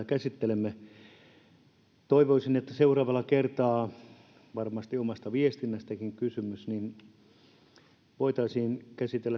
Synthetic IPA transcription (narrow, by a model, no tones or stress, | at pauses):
ækæsit̪ːelemːe | t̪oiʋoisinet̪ːæseurɑːʋɑlːˑɑkert̪ɑː | ʋɑrmɑst̪iomɑst̪ɑʋiest̪inːæst̪ækiŋkysymysnin | ʋoit̪ɑisiːnkæsit̪elːæ